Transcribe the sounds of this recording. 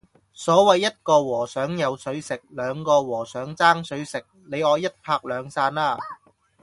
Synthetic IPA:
sɔː˨˥wɐ˨jːɐ˥t̚kɔː˧wɔː˨˩sœː˨˥ŋjɐ˨˧wsɵ˨˧ɥsɪ˨k̚lœː˨˧ŋkɔː˧wɔː˨˩sœː˨˥ŋt͡saː˥ŋsɵ˨˥ɥsɪ˨k̚ne˨˧jɔː˨˧jɐ˥t̚pʰaː˧k̚lœː˨˧ŋsaː˧naː˧˩

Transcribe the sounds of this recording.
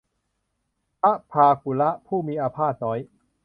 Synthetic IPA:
pʰa˦˥ʔpʰaː˧ku˨˩˦la˦˥ʔpʰuː˥˩miː˧ʔaː˧pʰaː˥˩t̪̚nɔː˦˥j

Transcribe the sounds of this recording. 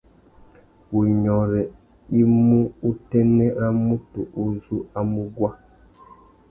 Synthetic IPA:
wu˨ɲɔ˨ɾɛ˨ | i˦mu˦u˦tɛ˦nɛ˦ɾa˦mu˦tu˨ʔu˦zu˦a˦mu˦ɡwa˦

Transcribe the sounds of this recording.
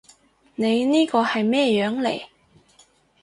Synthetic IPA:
ne˨˧jniː˥kɔː˧hɐ˨jmɛː˥jœː˨˥ŋlḛ˨˩j

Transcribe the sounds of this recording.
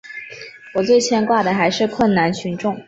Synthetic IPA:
wɔ˨˩t͡swe˥˩ɪt͡ɕʰjɛ˥nkwa˥˩d̪ə˩xa˧˥ɪʂɻ̩˥˧kʰwə˥˩nna˧˥nt͡ɕʰy˧˥nʈ͡ʂʊ˥˩ŋ

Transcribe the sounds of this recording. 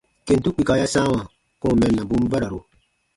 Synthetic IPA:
ke˨n˨tu˦k͡pi˨ka˨ja˦sã˦wã˨ | kɔ˦˨mɛ˨nːa˨bu˦m˦ba˦ɾa˨ɾu˨

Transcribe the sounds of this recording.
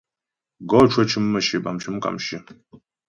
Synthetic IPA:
ɡoʈ͡ʂʰɐt͡ʃʰɨ˦mːɐʃiba̰˨mt͡ʃʰɨ˦mkʼa̰˨mʃi˦

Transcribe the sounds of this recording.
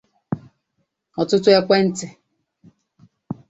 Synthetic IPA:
ɔ˨tʊ˦tʊ˦e˦kʷe˦n̩˦tɪ˨

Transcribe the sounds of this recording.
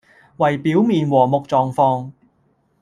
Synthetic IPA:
wɐ˨˩jpiː˨˥wmiː˨˧nwɔː˨˩mʊ˨k̚t͡sɔː˨ŋfɔː˧ŋ

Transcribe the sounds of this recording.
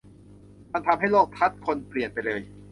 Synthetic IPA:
ma˧nt̪ʰa˧mɦa˥˩jloː˥˩k̚t̪ʰa˦˥t̪̚kʰo˧npli˨˩ənpa˧jlɤː˧j

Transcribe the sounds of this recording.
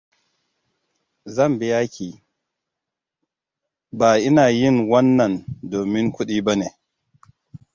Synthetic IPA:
zɐ˦˨mbɪ˦jaː˦kʲiː˨ | baː˨ʔɪ˦naː˨jɪ˦˨ŋwɐ˦nːɐ˨ndoː˨mɪ˦ŋkʷʊ˦ɗiː˦ba˦neː˨

